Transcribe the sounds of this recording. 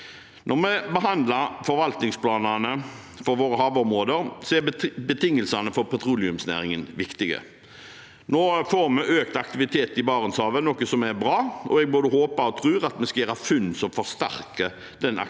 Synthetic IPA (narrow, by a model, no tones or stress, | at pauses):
nʔɔʁmɛbəɦɑnd̪lɑɾfɔɾʋɑlt̪nɪŋspʰlɑːnənə | fɔɾʋoːɾəɦɑːʋɔmʁoːd̪əɾsɔɛbət̪ʰɪŋːəlsɑnəfɔɾpʰɛt̪ʰʁuːlɪʉmsnæ̰ːʁɪŋənʋɪkt̪ɪɡə̰ | noːfoːɾmɛʔøːkt̪ɑk̚t̪ɪʋɪt̪ʰeːt̪ɪbɑːʁənshɑːʋənɔːkəsɔmɛɾbʁɑːɔɛɡ̚boːd̪əhoːpɑɔt̪ʰʁʉːʁɑt̪mɛskɑjæːɾhɑfʉnsɔmfɔʁst̪æ̰ʁkə | d̪̥ɛnɑ̰